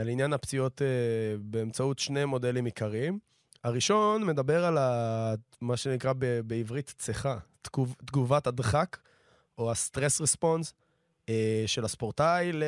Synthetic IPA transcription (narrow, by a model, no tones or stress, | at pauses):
alinjanapt͡sio̞tebe̞ːmt͡sautʃne̞mo̞de̞limikaʁim | aʁiʃo̞nme̞dabe̞ʁala | maʃenikʁabebeivʁitt͡seχatuvtɡuvatadχak | oast̪ʁesʁespo̞ns | eʃelaspoʁtajl